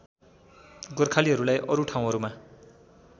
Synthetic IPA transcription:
ɡʌrkʰaliɦʌɾulajʔʌɾuʈʰaw̃ɦʌɾuma

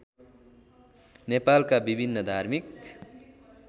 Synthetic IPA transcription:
nepalkabibʱinːʌd̪ʱaɾmik̚

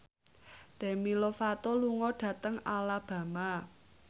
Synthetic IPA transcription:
ɖ̥ɛ̤milofat̪ɔluŋɔɖ̥ä̤t̪əŋalab̥ä̤ma

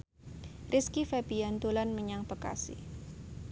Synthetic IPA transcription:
rʔiskifɛbiant̪ulanməɲaŋpəka̰sḭ

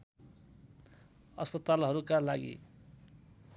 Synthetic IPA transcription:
ʌspʌt̪alɦʌɾukalaɡḭ

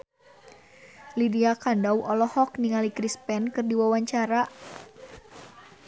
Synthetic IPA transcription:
lidiakandawʔɔlɔhɔkniŋalikɾispɛnkɨrdiwawaɲt͡ʃaɾa

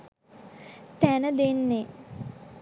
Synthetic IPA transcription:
t̪ænəd̪enːe

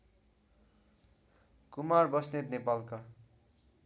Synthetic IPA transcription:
kumarbʌsnet̪nepalka

